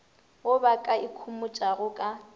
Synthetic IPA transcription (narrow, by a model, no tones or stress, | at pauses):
ʊbakʼaikʰumʊt͡ʃʼarʊkʼa